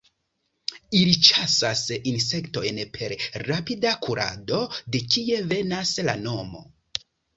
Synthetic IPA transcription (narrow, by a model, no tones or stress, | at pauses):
ilit͡ʃasasinse̞kto̞jnpʰe̞ɾɾapidakʰuɾa̰do̞de̞kie̞ve̞nasla̰no̞mo̞̰